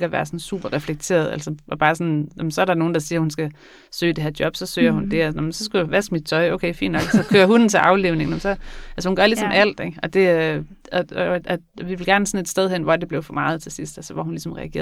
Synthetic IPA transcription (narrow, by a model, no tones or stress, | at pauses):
ɡ̥æʋæːɐsɒ̽nsṵːb̥ɐʁɛfleɡ̥̚t͡sʰe̝̰ːɐð̞ˠælsɐʔɒ̽b̥ɑ̈ːsɒ̽njɑmnsɒ̽æɐɾɑ̈no̝ːn̩d̥ɑ̈siːɐhunsɡ̥æ | sø̰ːd̥e̝heɐd̥jɒ̽b̥sɒ̽sø̰ːɐhund̥e̝æsnmnsɒ̽sɡ̥uoʋæsd̥mid̥̚t͡sʰɒ̽ɪoʊkʰeɪfḭːnd̥nɒ̽ɡ̥sɒ̽kʰøːɐɦud̥n̩t͡sʰe̝ʔɑ̈ʊle̝ːʊne̝ŋnɔmnsɒ̽ʔælsəhunɡɶɐlisɒ̽mʔæl̰d̥eɡ̥ɒ̽d̥e̝ | ɒ̽ɒ | ʋiʋe̝lɡ̥æɐnæsɒ̽ne̝d̥sd̥eð̞ˠɦenʋɒæd̥e̝b̥le̝ʊfɒ̽mɑ̈ːð̞̩ˠt͡sʰe̝lsisd̥ælsɒʋɒ̰hunlisɒ̽mʁɛ̰æɡ̥ḛːɐ